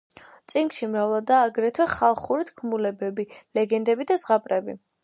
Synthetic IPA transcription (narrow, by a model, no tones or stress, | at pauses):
t̪sʼiŋkʃimɾavlˠad̪aːɡɾɛt̪ʰwɛχalˠχuɾit̪ʰkʰmulɛbɛbilɛɡɛnd̪ɛbid̪azʁapʼɾɛbi